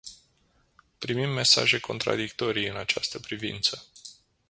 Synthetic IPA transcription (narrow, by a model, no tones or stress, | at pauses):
pɾimimːe̞sa̰ʒe̞kʰo̞̰nt̪ɾa̰d̪ikt̪o̞ɾijɨnat͡ʃast̪əpɾivḭnt̪sə